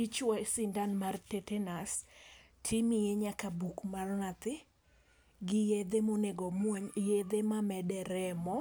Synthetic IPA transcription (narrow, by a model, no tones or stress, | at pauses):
it͡ʃwasɪndanmartetenas | tʰimijeɲakabukmarnat̪ɪ | ɡɪjed̪emoneɡɔmwɔɲjed̪emamɛdɛɾɛmɔ